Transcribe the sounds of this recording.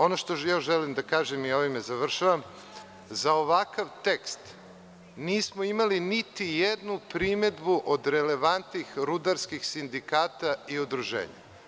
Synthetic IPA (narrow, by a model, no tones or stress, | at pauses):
o̞noʃt̪ojaʒelimd̪akaːʒemio̞ʋimezaʋr̩ʃaʋam | zao̞ʋakaʋt̪e̞kst̪ | niːsmoimalinit̪ijed̪nupɾime̞d̪buʔod̪ɾele̞ʋant̪nixɾud̪aɾskixsind̪ikaːt̪aiud̪ɾuʒḛːɲa̰